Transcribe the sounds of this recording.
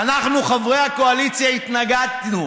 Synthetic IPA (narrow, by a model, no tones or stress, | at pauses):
anaχnuχavʁejhakoalit͡sjait̪naɡat̪nu